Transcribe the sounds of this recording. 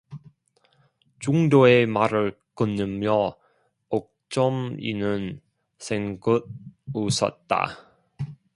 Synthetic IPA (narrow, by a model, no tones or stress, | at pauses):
t͡ɕuŋdoemaɾɯɭ | kɯnːɯmjʌ | ok̚t͡ɕ͈ʌmḭnɯn | sʰeŋɡɯd̚usʰʌ̰t̚t͈a̰